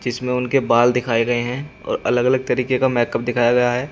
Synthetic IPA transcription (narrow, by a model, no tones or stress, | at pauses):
d͡ʒɪsmẽʊnkebaːld̪ɪkʰaːeɡɐeɦɛ̃ɔ̰ːɾɐləɡɐləɡ̚t̪ɐɾiːkekamɛːkəp̚d̪ɪkʰaːjaɡɐjaɦɛː